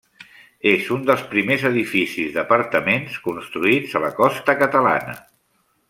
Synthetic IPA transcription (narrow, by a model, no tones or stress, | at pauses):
ezund̪əlˠspɾimezəðifisizðəpəɾt̪əmenskunst̪ɾuid͡zələkɔst̪əkət̪əla̰nə̰